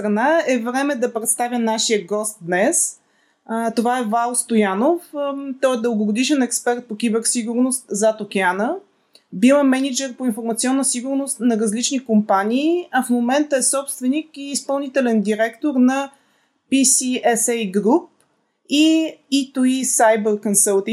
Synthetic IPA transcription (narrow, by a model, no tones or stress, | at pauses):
sɾɐnaɛvɾɛmɛd̪ɐpɾɛt̪st̪avʲjənaʃiəɡɔst̪̚d̪nɛs | t̪ovaɛvalˠst̪ojanoft̪ɔɛd̪əlˠɡoɡod̪iʃɛnɛkspɛɾt̪̚pokʲibɛɾsiɡʊɾnost̪zɐt̪okʲanə | bilˠəmɛnid͡ʒɛɾpoinfoɾmɐt̪siɔnːəsiɡʊɾnost̪nɐɾɐzlit͡ʃnikompanʲiːɐfmomɛnt̪əɛsɔpst̪vɛnikiːspɐlˠnit̪ɛlɛnd̪iɾɛkt̪oɾnɐ | pisiɛsɛjɡɾup̚ | iit̪oisajbəɾkonsəlˠt̪i